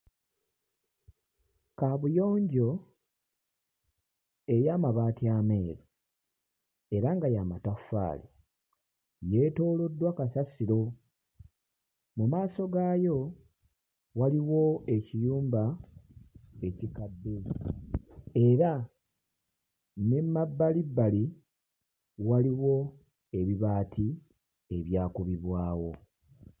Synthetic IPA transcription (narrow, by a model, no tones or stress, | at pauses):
kaβujo̞ːɲɟo̞ | e̞jaːmaβaːtiaːmeːɾo | e̞ɾaŋɡajamatafa̰ːlḭ | je̞to̞ːlo̞dːwakasasiɾo̞ | mumaːso̞ɡaːjo̞ | waliwo̞e̞cijuːmba | e̞cikadːe | e̞ɾa | ne̞mːabːalibːali | waliwo̞ | e̞βiβaːtʰi | e̞βjaːkuβiβwaːwo̞